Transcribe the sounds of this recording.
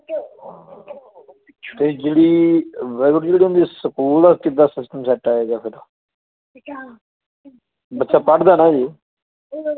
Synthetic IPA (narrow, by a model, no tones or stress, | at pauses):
t̪eːd͡ʒeːɽiːʋɛəʈd͡ʒeːɽiɦʊ̃nd̪iːsəkuːld̪aːkɪt̪̚d̪aːsɪsʈəmsɛːʈaːeːɡaːpʰɪɾa | bətːʃaːpəɽd̪aːnaːd͡ʒiː